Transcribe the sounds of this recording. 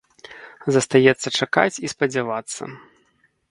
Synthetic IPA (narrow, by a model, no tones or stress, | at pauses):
zɐst̪ajɛt̪sːɐt͡ʂaka̰t͡sʲispɐd͡zʲavat̪sːɐ̰